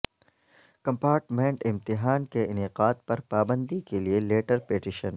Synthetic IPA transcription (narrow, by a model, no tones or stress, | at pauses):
kɐ̃mpaːɾʈmẽɳʈɪ̃mt̪ɪɦaːnkeɪnɪqaːd̪̚pɐɾpaːbə̃nd̪ikelieleːʈəɾpeːʈɪʃə̃n